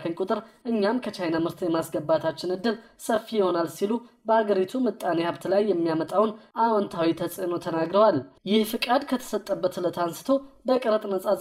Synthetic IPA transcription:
kʰənkʼʊt̪ʼɨɾʔɨɲːamkʰət͡ʃajnamɨɾt̪jɛmasɡəbːat̪ʰat͡ʃːɪnɨd̪ːɨlsəfːijɪho̞nalsilubəaɡəɾit̪ʰumɨt̪ʼːanehaβt̪lajːɛmːijamət̪ʼawnʔawɔnt̪ʰawit̪ʰəsʼno̞t̪ʰənaɡɾəwaljɪhfɨkʼad̪kʰət̪ʰə̥sət̪ʼːəbːət̪lət̪ʰansɨ̥t̪ʰo̞bəkʼəɾət̪ʼnəsʼaz

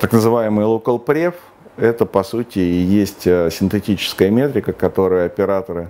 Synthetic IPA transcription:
t̪aknəzɨvajɪmɨjlˠokəlˠpɾʲef | ɛt̪əpɐsutʲɪːjesʲtʲəsʲɪnt̪ɨtʲit͡ɕɪ̥skəjəmʲe̞t̪ɾʲɪkəkɐt̪o̞ɾɨjəɐpʲɪɾat̪əɾɨ

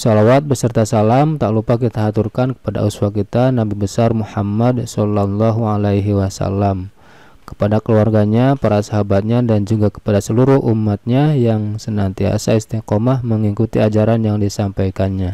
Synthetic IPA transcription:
sɔlawat̪̚bəsərt̪asalamt̪aʔlupakit̪aɦat̪urkankə̥pada̰ʔuswakit̪anabibəsarmuħamːadsɔlːalːɔɦualajɦiwasa̰lːam | kə̥padakəluarɡaɲapaɾasaɦabat̪̚ɲadand͡ʒuɡakə̥padasəluɾʊhʔumːat̪̚ɲajaŋsənant̪ia̰saist̪iqomahməŋikut̪iad͡ʒaɾanjaŋdisampajkanɲa

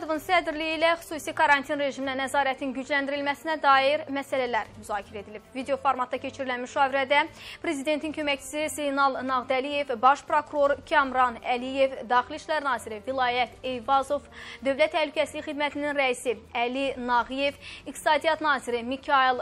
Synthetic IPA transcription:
d̪ovunsæd̪ɾlijilæxy̥suːsikʰɑɾɑnt̪ʰinɾe̞ʒimlænæzɑːɾæt̪ʰinɟyd͡ʒlænd̪iɾilmæsinæd̪ɑːjiɾmæsælælæɾmyzɑːcʰiɾæed̪ilib̥vid̪eo̞foɾmɑt̪̚ːɑcʰe̞t͡ʃʰiɾilænmyʃɑːviɾæd̪æpʰɾe̞zid̪e̞nt̪ʰincʰø̞mæct͡ʃʰi̥sisejnɑlˠnɑʁd̪ælije̞vbɑʃpɾo̞kuɾo̞ɾcʰɑmɾɑnælije̞vd̪ɑːxiliʃlæɾnɑːziɾivilˠɑːjæt̪e̞jvɑzo̞vd̪ø̞vlæt̪ʰːæhlycʰæsiliçxid̪mæt̪ʰininɾæisiælinɑɣije̞vikt̪ʰi̥sɑːd̪ijɑt̪nɑːziɾimicʰɑilˠ

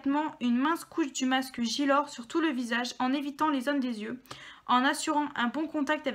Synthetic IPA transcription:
t̪mɑ̃ynmɛ̃skʰuʃd̪ymaskəʒilɔʁsyʁt̪uləvizaʒɑ̃nevit̪ɑ̃lezond̪ezjøɑ̃nasyʁɑ̃ʔɛ̃bɔ̃kɔ̃t̪ak̚t̪av

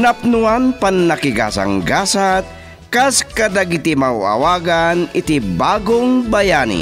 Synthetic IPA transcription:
nap̚nuanpannɐkɪɡa̰sa̰ŋɡaːsat̪̚ | kaskad̪aɡɪt̪imawɐ̰waːɡanɪt̪ibaːɡoŋbɐjaːnḭ

